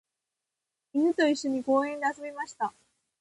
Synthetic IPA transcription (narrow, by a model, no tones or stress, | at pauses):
inɯ̟t̪o̞iɕːo̞ɲ̟iɡo̞ːẽnd̪e̞asobʲimaɕi̥t̪a